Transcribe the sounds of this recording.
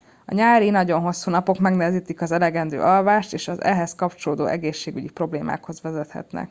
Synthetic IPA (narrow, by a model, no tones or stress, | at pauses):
ɒ̰ɲaːɾinɒɟo̞nɦo̞sːuːnɒpo̞kmɛɡnɛɦɛziːt̪ikɒzɛlɛɡɛnd̪ø̰ːʔɒlvaːʃt̪eːʃɒzɛ̰ɦɛskɒpt͡ʃo̞loːd̪o̰ːʔɛɡeːʃːeːɡyɟipro̞bleːmʔa̰ːkho̞zvɛzɛt̪hɛ̰t̪nɛ̰k